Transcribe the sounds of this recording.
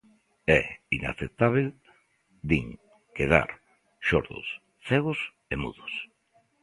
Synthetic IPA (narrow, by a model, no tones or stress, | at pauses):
ɛina̰θet̪aβ̞el | d̪iŋ | keða̰ɾ | ʃoɾðʊ̰s | θɛɣ̞ʊs | emuðʊs